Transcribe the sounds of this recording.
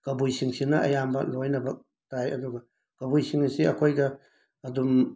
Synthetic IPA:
kɐbujsiŋsinɐʔɐ̰jambɐ̰lojnɐbɐk̚ | tajɐ̰duɡɐ | kɐbujsiŋisiɐkʰojɡɐ | ɐdum

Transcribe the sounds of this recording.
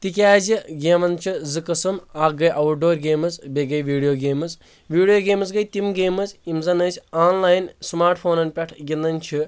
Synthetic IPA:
t̪ikʲaːziɡʲeːmɐnt͡ʃʰizɨkɐsɨmaːɡɐjʔɐʋuʈ̚ɖoːɾɡeːmɐzbeɡɐjʋiːɖijoːɡeːmɨz | ʋiːɽijoːɡeːmɐsɡɐjt̪imɡeːmɐzʲimzɐnɐːsʲaːnlaːjnsmaːɾʈpʰoːnɐnpʲɛʈʰɡʲind̪ɐnʲt͡ʃʰi

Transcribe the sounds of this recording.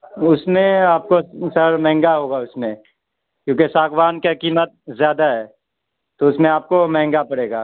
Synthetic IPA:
ʊsmẽaːp̚kosɐɾmɛ̃ɦɛ̃ŋɡaɦoːɡaʊsmẽ | kjõːkesaːkʋaːnkakiːmət̪̚zjaːd̪aɦɛː | t̪oʊsmẽaːp̚komɛ̃ɦɛ̃ŋɡapɐɽeːɡaː

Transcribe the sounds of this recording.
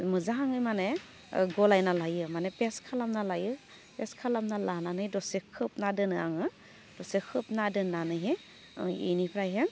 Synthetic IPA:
mɯzaɦaŋɯjmane | ɡɔlajnalajɯmanepeskʰalamnalajɯ | peskʰalamnalananɯjdɔsekʰɯp̚nadɯnɯaŋɯ | d̥ɔsekʰɯp̚nadɯnːanɯɦe | ḭnipʰɾajɦeŋ

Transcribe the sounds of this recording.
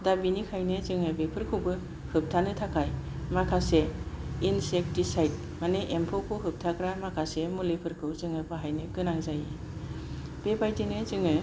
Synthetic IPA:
dabinikʰajnɯzɯŋabepʰɯɾkʰɯwbɯ | hɯp̚tʰanɯtʰakʰajmakʰaseinsek̚tisajt̚ | maneʔempʰokʰɯɦɯp̚tʰakɾamakʰasemulepʰɯɾkʰɯwzɯŋɯpɯɦajnɯkɯnaŋzaje | b̥epʰajtinɯzɯŋɯ

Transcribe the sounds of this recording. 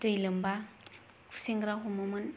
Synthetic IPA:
tɯjlɯmba | kʰu̥seŋɡɾaɦumamɯn

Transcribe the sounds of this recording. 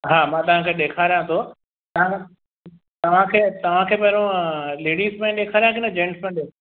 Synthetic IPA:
ɦaːmãːt̪ɐʋ̤ãkʰeːɗeːkʰaːɾijãt̪ʰo | t̪ɐʋ̤ã | t̪ɐʋ̤ãkʰeːt̪ɐʋ̤ãkʰeːmɐɦɾõleːɽiːzmẽɗeːkʰaːɾijãkɪnəd͡ʑẽːɳʈsmẽɗe

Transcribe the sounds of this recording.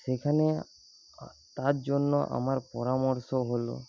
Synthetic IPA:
sekʰane | t̪aɾd͡ʒonːoʔa̰maɾpɔɾamɔɾsɔɦolo̰

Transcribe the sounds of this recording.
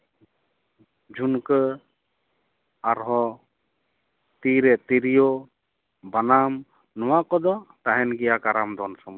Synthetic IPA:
d͡ʒunkə | aɾɦɔ | t̪iɾɛt̪iɾijɔ | banam | nɔwakɔd̪ɔt̪aɦɛnɡɛjakaɾamd̪ɔnsɔmɔ

